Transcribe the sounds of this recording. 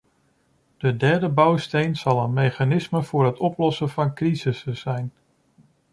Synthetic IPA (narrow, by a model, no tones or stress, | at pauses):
d̥ədɛɹdəbɑwstejnz̥ɑlˠənmejχanɪsməv̥ʊːɹɦətɔplɔsəvɑnkrizɪsəzɛjn